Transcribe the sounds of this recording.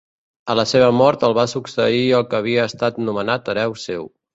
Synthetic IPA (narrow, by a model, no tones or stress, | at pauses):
ələseβ̞əmɔɾt̪əlˠβasuksəiəlˠkəːβ̞iəːst̪at̪numənat̪əɾɛwsew